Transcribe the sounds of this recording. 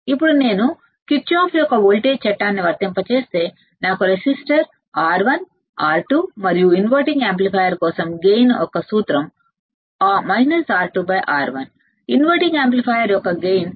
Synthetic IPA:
ipːuɽune̞ːnu | kit͡ʃaːpʰjɔkːɐʋoːlʈeːt͡ʃɛʈːaːnːiʋɐɾt̪ɐmpɐt͡ʃe̞ːst̪e̞ː | naːkuɾesisʈɐɾ | aːɾʋɐn | aːɾʈumɐɾijuinʋɐʈiŋɡeːmplipʰɐːjɐɾkɔːsɐmɡejnɔ̰kːɐsuːt̪ɾɐm | aːmɐjnɐɾsaːɾʈubɐjʔaːɾʋɐn | inʋɐjʈiŋɡeːmp̬lipʰaːjɐɾjɔkɐɡejn

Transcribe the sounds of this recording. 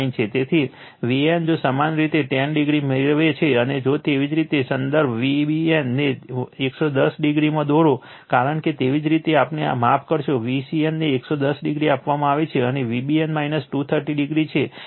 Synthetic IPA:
int͡ʃʰet̪et̪ʰi | ʋiemd͡ʒosamanɾit̪eʈɛnɖiɡɾimeɾʋet͡ʃʰeəned͡ʒot̪eʋid͡ʒɾit̪esənd̪əɾbʱʋibienːeeksod̪əsɖiɡɾimãd̪oɾo | kaɾəɳket̪eʋid͡ʒɾit̪eapnea̰mapʰkəɾʃoʋisienneːksod̪əsɖɪɡɾiapʋamãaʋet͡ʃʰeəneʋibienmainəsʈut̪ʰəɾʈiɖiɡɾit͡ʃʰe

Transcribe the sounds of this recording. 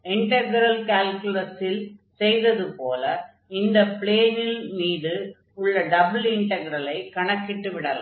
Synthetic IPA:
ɪɳʈɐɡɪɾɐlkaːlkʊlɐsɪlsɛjðɐðɯpoːlɐ | ɪnd̪ɐpɪɭeːnɪlmiːðɯ | ʊɭːɐɖɐbɯlɪɳʈɐɡɪɾɐlɐɪkɐɳɐkːɪʈːɯʋɪɽɐlɐ̰

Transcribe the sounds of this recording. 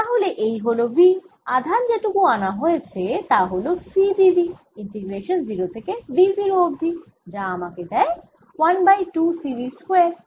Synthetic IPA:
t̪aɦoleʔejɦolobi | ad̪ʱand͡ʑeʈukuanaɦoet͡ɕʰet̪aɦolosibibi | iɳʈiɡɾeʃonziɾot̪ʰekebiziɾoobd̪ʱi | d͡ʑaamaked̪ɛe | wanbajʈusiɾiskoe

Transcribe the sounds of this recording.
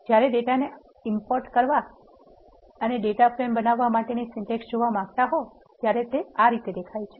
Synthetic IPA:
d͡ʒjaɾeɖeʈane | ɪmpoɾʈkəɾʋa | əneɖeʈapɾembənaʋːamaʈenisɪɳʈeksd͡ʒoʋamãɡt̪aɦo | t̪jaɾet̪eaɾit̪ed̪ekʰajt͡ʃʰe

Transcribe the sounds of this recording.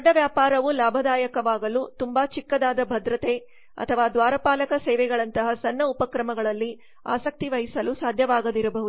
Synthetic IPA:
ɐɖːɐʋjaːpaːɾɐʋulaːbʱɐd̪aːjɐkɐʋaːɡɐlut̪umbaːt͡ʃikːɐd̪aːd̪ɐbʱɐd̪ɾɐt̪e | ɐ̰t̪ʰɐʋaːd̪ʋaːɾɐpaːlɐkɐsɛːʋɛɡɐɭɐnt̪ɐɦɐsɐnːɐupɐkɾɐmɐɡɐɭɐlːi | a̰ːsɐk̚t̪iʋɐɦisɐlusaːd̪ʱjɐʋaːɡɐd̪iɾɐbɐɦud̪u

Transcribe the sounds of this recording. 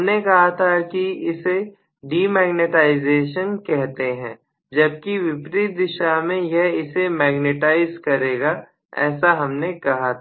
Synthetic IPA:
mnekɐɦat̪ʰakiɪse | ɖiːmɛːɡneʈaːɪzeːʃənkɛɦt̪eɦɛ̃ː | d͡ʒɐb̚kiʋɪpɾit̪̚d̪ɪʃamẽjɛɦɪsemɛːɡneʈaːɪzkɐɾeːɡa | ɛ̰ːsaɦɐmnekɐɦat̪ʰ

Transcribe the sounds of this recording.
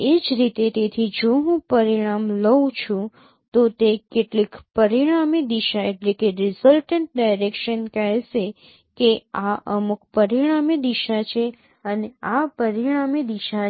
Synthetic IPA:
ed͡ʒɾit̪et̪et̪ʰid͡ʒoɦũpəɾiɽ̃amləwt͡ʃʰũ | t̪ot̪ekeʈlikpəɾiɽ̃amed̪iʃaeʈlikeɾɪsəlʈəɳʈ̚ɖajɾekʃənkəɦeʃe | keaʔəmuk̚pəɾiɽ̃amed̪iʃat͡ʃʰe | əneapəɾiɽ̃amed̪iʃa

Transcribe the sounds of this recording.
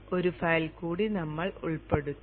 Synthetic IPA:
o̞ɾufɐjlkuːɽinɐmːɐɭuɭpe̞ɽut̪ː

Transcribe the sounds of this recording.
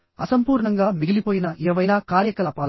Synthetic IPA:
ɐsɐmpuːɾɳɐŋɡaːmiɡilipoːjinɐʔɛːʋɐjlaːkaːɾjɐkɐlɐːpaːl

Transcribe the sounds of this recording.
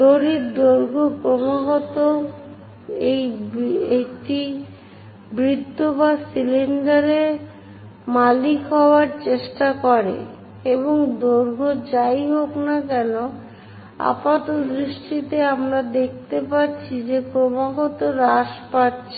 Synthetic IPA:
d̪oɾiɾd̪oɾɡʱokɾomaɡot̪o | ejeʈi | bɾit̪ːobasiliɳɖaɾe | malikɦɔoaɾt͡ɕeʃʈakoɾḛ | eβoŋd̪oɾɡʱod͡ʑajɦoknakɛno | a̰pat̪od̪ɾiʃʈit̪eamɾad̪ek̚ʰt̪epatːɕʰid͡ʑekɾomaɡot̪oɾaʃpatːɕʰe

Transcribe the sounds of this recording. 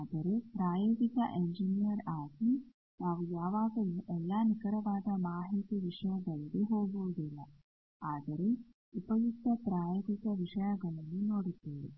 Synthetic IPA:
aːd̪ɐɾe̞pɾaːjoːɡikɐ̰ʔeɲd͡ʒinijɐɾaːɡi | naːʋujaːʋaːɡɐluʔɛlːaːnikɐɾɐʋaːd̪ɐmaːɦiːt̪iʋiʂɐjɐɡɐɭd̪eɦoːɡuːd̪ilːɐ | aːd̪ɐɾe | upɐjut̪ːɐpɾaːjoːɡikɐʋiʂɐjɐɡɐɭɐnːunoːɽit̪ːeːʋḛ

